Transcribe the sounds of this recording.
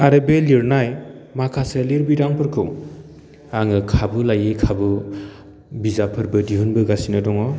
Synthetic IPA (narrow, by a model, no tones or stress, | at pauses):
aɾɯbeliɾnajmakʰaseliɾbiɾaŋpʰɯɾkʰɯŋ | aŋɯkʰabɯlajekʰabɯ | bizapʰɯɾbɯdiɦunbɯɡasinɯdɔŋɔ